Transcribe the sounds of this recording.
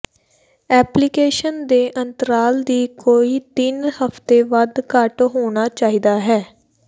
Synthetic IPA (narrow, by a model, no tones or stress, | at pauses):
ɛːplikeːʃənd̪eːʔənt̪əɾaːld̪iːkoːiːt̪ɪnhəpʰt̪eːʋəd̪kəʈɦoːɽ̃aːt͡ʃaːɦiːd̪aːɦɛː